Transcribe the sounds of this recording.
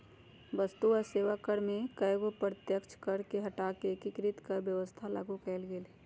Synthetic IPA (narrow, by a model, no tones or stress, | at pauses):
ʋəst̪uɔseːʋakəɾmẽkəjɡopɾət̪jəkt͡ʃkəɾkeɦəʈakekɪkɾɪt̪kəɾbjəʋəst̪ʰala̰ːɡukɛɪlɡeːle